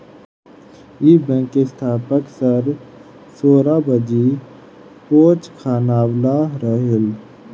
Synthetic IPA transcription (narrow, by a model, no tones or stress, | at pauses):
ibɛ̃ːkest̪ʰaːpəksəɾ | soːɾabəd͡ʒi | poːt͡ʃkʰaːnaːwlaɾəɦel